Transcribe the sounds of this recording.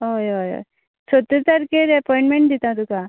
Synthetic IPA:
ojojo̰j | t͡ʃʰot̪et̪aɾkeɾɐpɔĩɳʈmẽɳʈ̚d̪it̪ãt̪uka

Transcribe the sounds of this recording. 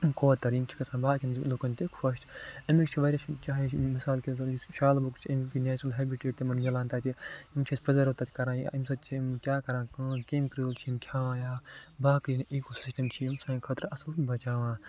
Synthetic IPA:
kʰoːt̪ɐɾimt͡ʃʰi̥kɐsãːbaːkʲinlukɐnt̪ekʰɐʃʈɐmikt͡ʃʰiʋɐɾʲjat͡ʃʰit͡ʃaːimisaːlkʲit̪ɐɾiʃaːlbɐkt͡ʃʰiɐmkinɛːt͡ʃnɐlɦeːbiʈeːd͡ʒt̪emɐnɡɐlãːnt̪aːt̪iimt͡ʃʰispɾɐzɐɾot̪aːt̪i̥kɐɾãːjimsɐt͡ʃʰimkʲaːkɐɾãːkɐːkimkɾilt͡ʃʰiimkʰʲãːãːjaːbaːkɨniːkosi̥sisʈɐmt͡ʃʰiimsãːkʰɐt̪ɾɐsɐlbɐt͡ʃaːʋãː

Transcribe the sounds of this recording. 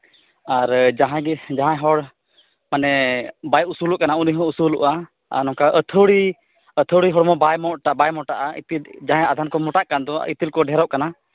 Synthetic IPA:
aɾd͡ʒaɦãɡid͡ʒaɦãɦɔɽ | manɛbajusulɔʔkanauniɦɔ̃usulɔ̰ʔa | a̰nɔ̃kaʔət̪ʰəɽi | ət̪ʰəwɽiɦɔɽmɔbajmɔʔʈabajmɔʈaʔaḭt̪ild͡ʒaɦãjad̪ʱankɔmɔʈaʔkand̪ɔḭt̪ilkɔɖʱɛɾɔʔkana

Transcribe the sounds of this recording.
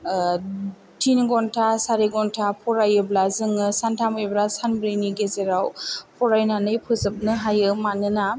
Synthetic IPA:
tʰinɡɔntʰasaɾiɡɔntʰapʰɔɾajɯblazɯŋɯsantʰamɯjblasanbɾiniɡezeɾawpʰɔɾajnanɯjpʰɯzɯp̚nɯɦajɯmanɯna

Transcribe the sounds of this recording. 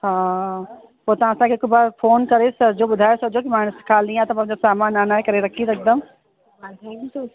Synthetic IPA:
ɦãː | poːt̪ãːsãːkekoibaːɾpʰoːnkəɾeːsəɾd͡ʒoːbʊd̪ʱaːjesəd͡ʒoːk̬ɪmaːɳ̃əskʰaːlĩːãːt̪ɐmãd͡ʒosaːmaːnãːnaːekəɾeɾɐkʰiːd̪ɐɪk̚d̪əm | ɦt̪ʰɛ̃kːso

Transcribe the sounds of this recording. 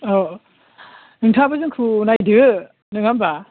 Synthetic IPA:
o | nɯŋtʰabazɯŋkʰɯnajdɯɯ | nɯŋamba

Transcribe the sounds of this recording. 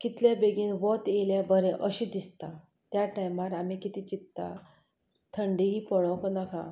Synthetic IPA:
kit̪ljabeɡiːnʋɔt̪eljãbəɾɛ̃ʔəɕid̪ist̪a | t̪jaʈajmaɾam̤ikit̪it͡ɕit̪ːa̰ | t̪ʰəɳɖiipɔɭɔ̃knakã

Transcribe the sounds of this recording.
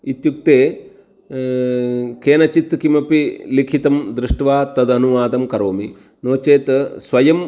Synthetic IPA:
it̪juk̚t̪eː | keːnɐt͡ʃit̪kimɐpilikʰit̪ɐmd̪ɾɪʂʈʋaːt̪ɐd̪ɐnuʋaːd̪ɐmkɐɾoːmi | noːt͡ʃeːt̪sʋɐjɐm

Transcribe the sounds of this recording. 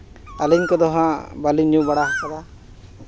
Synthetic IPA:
aliɲkɔd̪ɔɦãbaliɲũbaɽaɦakad̪a

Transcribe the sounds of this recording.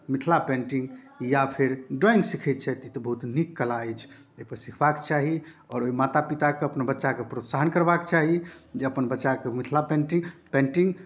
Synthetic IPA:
mit̪ʰlapẽɳʈĩŋɡ | japʰeɾɖɔĩŋɡsikʰɛt̪̚t͡ʃʰɛt̪it̪ɔbəɦut̪nikːəlaɛt͡ʃʰ | epəɾsikʰbakt͡ʃaɦi | ɔɾoimat̪apit̪akeəpnebətːʃakepɾot̪saɦənkəɾbakt͡ʃaɦid͡ʒeəpənbətːʃakemit̪ʰlapẽɳʈiŋpẽɳʈiŋɡ

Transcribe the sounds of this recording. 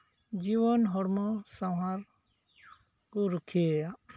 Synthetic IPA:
d͡ʒiβɔnɦɔɾmɔsawɦaɾ | kuɾukʰieja

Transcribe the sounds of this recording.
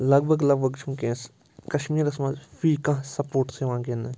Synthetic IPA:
lɐɡbʱɐɡlɐɡ̚bɐɡt͡ʃʰũːkẽːs | kɐʃmiːɾɐsmazfiːkãɦsɐpoːʈseʋãːkẽnẽ

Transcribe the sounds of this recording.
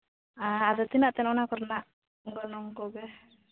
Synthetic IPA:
aad̪ɔt̪inaʔt̪ɛnɔnakɔɾnaʔ | ɡɔnɔŋkɔɡɛ

